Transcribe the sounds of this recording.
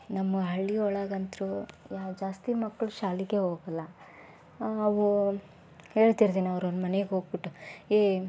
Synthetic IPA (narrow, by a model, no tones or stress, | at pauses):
nɐmːɐɦɐɭːiɔɭaːɡɐnt̪ɾujad͡ʒaːst̪imɐkːɐɭuʃaːliɡeɦoːɡɐlːɐ | ɐʋu | he̞ːɭt̪iɾt̪iːniɐʋɾond̪mɐneɡɦo̞ːɡ̚biʈːueː